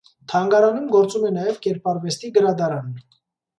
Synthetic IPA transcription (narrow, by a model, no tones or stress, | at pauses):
t̪ʰɑŋɡɑɾɑnumɡɔɾt͡sumɛnɑjɛvkɛɾpʰɑɾvɛst̪iɡəɾɑd̪ɑɾɑn